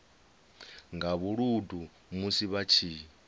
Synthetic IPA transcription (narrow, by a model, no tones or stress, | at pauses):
ŋɡaβuɺudʱu | musiβat͡ʃʰiː